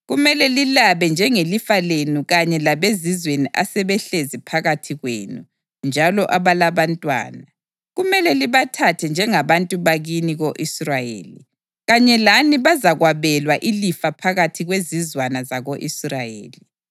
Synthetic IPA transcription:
ɣumɛlɛlilaβɛnd͡ʒʱɛŋelifalenuɣaɲɛlaβezizweniʔasɛβɛɬezipʰaɣatʰiɣwḛːnṵ | nd͡ʒʱalɔʔaβalaβantʼwa̰ːna | ɣumɛlɛliβatʰatʰɛnd͡ʒʱɛŋaβantʼuβaɣiniɣoʔisrajḛːlḭ | ɣaɲɛlaniβazaɣwaβɛlwaʔilifapʰaɣatʰiɣwezizwanazaɣoʔisrajḛːli

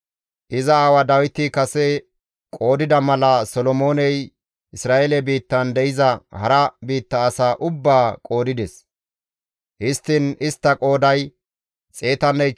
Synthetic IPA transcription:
ʔɪzɐawɐd̪ɐwɪt̪ɪkɐsɛ | kʼo̞ːd̪ɪd̪ɐmɐlɐsɔlɔmo̞ːnɛj | ʔɪsɾaːʔelɛbiːt̪ːɐnd̪ɛjɪzɐhɐɾɐbiːt̪ːɐːsaːʔʊbːaːkʼo̞ːd̪ɪd̪ɛs | hɪst̪ːɪnɪst̪ːɐkʼo̞ːd̪ɐj | t͡sʼe̞ːt̪ɐnɛj

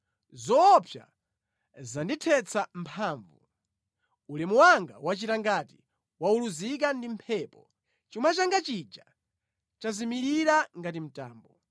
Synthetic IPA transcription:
zɔːpʰja̰ | zanditʰɛt͡sʰampʰaːɱvṵ | ulimuwaŋɡa̰wat͡ʃitaŋɡati | wauluzik̬andim̩pʰɛpɔ | t͡ʃimat͡ʃaŋɡat͡ʃid͡ʒa | t͡ʃazimiɾiɾaŋɡatim̩taːmbɔ

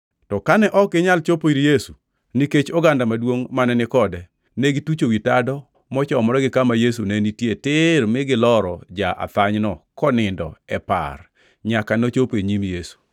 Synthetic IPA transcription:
tɔkanɛʔɔkɪɲalt͡ʃopoiɾjesu | niket͡ʃɔɡandamadwoŋmanɛnɪkɔdɛ | nɛɡitut͡ʃowitadɔ | mɔt͡ʃɔmɔɾɔɡɪkamajesunenitjetɪɾmɪɡɪlɔɾɔd͡ʒaʔa̰t̪aɲnɔkɔnɪndɔ̰ɛpa̰r | ɲakanot͡ʃopeɲimjesu̥

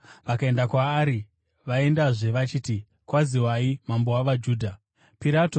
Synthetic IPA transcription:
ʋakae̞ndakwaːɾi | ʋae̞ndaʐe̞ʋat͡ʃiːti | kwaziwaimambowaʋad͡ʒuːdʱa | piɾato

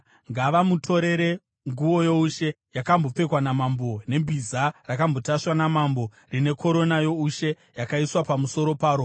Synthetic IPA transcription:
ŋɡaʋamutʰo̞ɾe̞ɾe | ŋɡuʋo̞jo̞uʃe̞ | jakambo̞p͡fe̞kwanamambo̞ne̞mbʱizarakambo̞taʂwanamambo̞ | rine̞kʰo̞ɾo̞najo̞uʃe̞ | jakaiswapamuso̞ɾo̞paːɾo

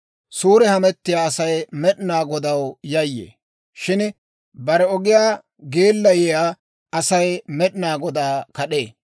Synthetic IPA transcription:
suːɾɛhɐmɛt̪ːɪjaːɐsɐjmɛɗɪnaːɡɔd̪ɐwjɐjːḛː | ʃɪn | bɐɾɛɔɡɪjaː | ɡe̞ːlːɐjɛjaː | ɐsɐjmɛɗɪnaːɡɔd̪aːkɐɗeː

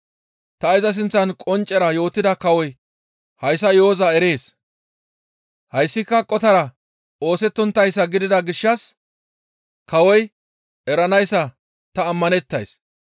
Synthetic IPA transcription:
t̪ɐɪzɐs̬ɪnt͡sːɐnkʼɔnt͡ʃʼːɛɾɐjo̞ːt̪ːɪd̪ɐkɐwɔj | hɐjs̬ːɐjo̞ːzɐɛɾe̞ːs | hɐjsːɪkːɐkʼːɔt̪ɐɾɐ | o̞ːsɛt̪ːɔnt̪ːɐjsːɐɡɪd̪ɪd̪ɐɡɪʃːɐs | kɐwɔj | ɛɾɐnɐjsːɐ | t̪ɐːmːɐnɛt̪ːɐjs

